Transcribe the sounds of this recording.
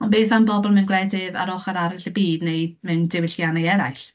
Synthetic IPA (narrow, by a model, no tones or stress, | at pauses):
ɔnbeːθanbɔbɔlˠmɛnɡlɛdɪða̰ɾɔχaɾaɾɪɬəbiːdnejmɨndɪwɪɬjanajɛɾa̰jɬ